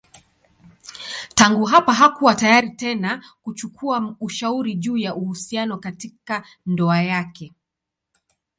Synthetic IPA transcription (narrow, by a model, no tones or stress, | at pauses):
taŋɡuɦapaɦakuwatajaɾitɛnakut͡ʃukʰuauʃauɾiʄuːjaʔuhusianɔkatika | ndɔajakɛ